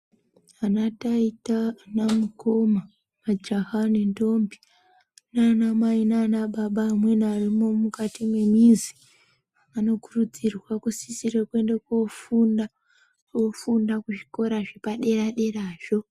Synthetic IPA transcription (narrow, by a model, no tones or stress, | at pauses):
anataitanamukoma | mad͡ʒaɦanendo̞mbi | nanamainanaɓaɓaːmwe̞narimo̞mukatimwe̞mizi | ano̞kurud͡zirwakusisirekwe̞ndekofuna | ofundakuʐi̥ko̞ɾaʐepaɗe̞raɗe̞raːʒo̞